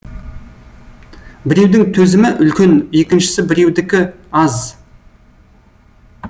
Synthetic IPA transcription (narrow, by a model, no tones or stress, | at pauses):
bɪɾe̞wd̪ɪŋt̪ʰɵzɪmɪʔʏlkʲe̞ne̞kʲɪnʃɪ̥sɪbɪɾe̞wd̪ɪkʲɪ | ɑz